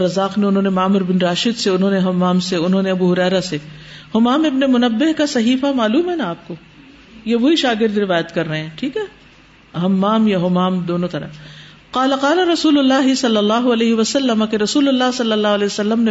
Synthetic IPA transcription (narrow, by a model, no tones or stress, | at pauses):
ɾɐzaːqneʊnɦõːnemaːmʊɾbɪnɾaːʃɪd̪seʊnɦõːneɦɐmːaːmseʊnɦõːneɐbuːɦʊɾɛːɾasehʊmaːmɪbnemʊnɐbːɪɦkasɐɦiːfamaːluːmɦɛnaaːp̚ko | jeʋoɦiʃaːɡɪɾd̪ɾɪʋaːjət̪kɐɾːɐɦeɛ̃ːʈʰiːkɦɛː | ɦɐmːaːmjaɦʊmaːmd̪oːnõt̪ɐɾə̰ | qaːlaqaːlaɾɐsuːlʊlːaːɦɪsɐlːɐlːaːɦʊɐlɛːɦiʋɐsɐlːəmakeɾɐsuːlʊlːaːɦsɐlːɐlːaːɦɐlɛːʋɐsɐlːəmne